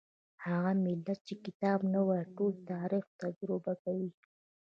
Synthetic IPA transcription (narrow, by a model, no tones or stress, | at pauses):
haɣamɪlːat̪̚t͡ʃekɪt̪ɑbnawaʈolt̪ɑɾixt̪ad͡ʒɾobakawi